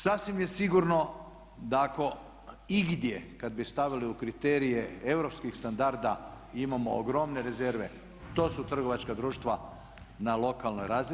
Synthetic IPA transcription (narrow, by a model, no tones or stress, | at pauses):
sasʋimje̞siɡuɾno̞ | d̪ako̞ | iɡd̪je̞kad̪̚bist̪aʋiliukɾit̪eɾije̞ewɾo̞pskixst̪and̪aɾd̪a | imamo̰oɡɾo̞mne̞ɾe̞ze̞ɾʋe̞ | t̪o̞ːsut̪r̩ɡo̞ʋat͡ʃkad̪ɾuːʃt̪ʋa | nalo̞kalˠnojɾaːzi